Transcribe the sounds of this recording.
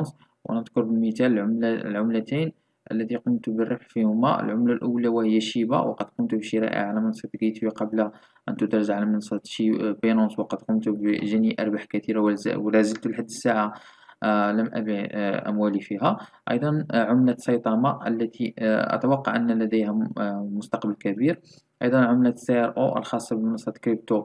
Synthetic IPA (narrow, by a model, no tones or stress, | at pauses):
ns | wʔæ̰nəd̪ˤkʊɾˤbəlmət̪æl̰lʕʊmlæt̪en | ʔə̰lːæt̪iqʊmt̪bərːɑfħfihʊmæ̰ʔə̰lʕʊmlalʔuːlæwæhəjːæʃiba̰wqɑd̪qʊmt̪ubəʃiɾɑ̰ʔḭʕalæmənsˤt̪ɡijt̪wiqɑblæ | ʔənt̪ud̪ɑɾˤʒaʕalæmənsˤt̪ʃibinonswqɑd̪qʊmt̪ubʒæniʔɑ̰ɾˤbaħkæt̪iɾaw̰wlæzəlt̪ulħad̪ːəsːaʕa | ləmʔæ̰biʔæ̰mwælifiɦæʔɑ̰jd̪ˤɑnʕʊmlæsˤɑjt̪ˤɑmɑʔə̰lːæt̪ʰiʔə̰t̪awɑqːɑ̰ʕʔənːlæd̪əjhæmʊst̪ɑqbəlkæbiɾ | ʔɑjd̪ˤɑnʕʊmlæseʔæɾʔoʔə̰lxɑsˤːɑbəmənɑsˤɑt̪kɾib̚t̪o